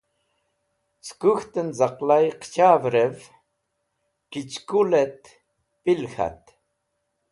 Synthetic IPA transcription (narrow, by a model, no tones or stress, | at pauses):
skuxt̪ənzaqlajqʰt͡ɕʰaːvɾɛv | kit͡ʃkulɛt̪ | pilxa̰t̪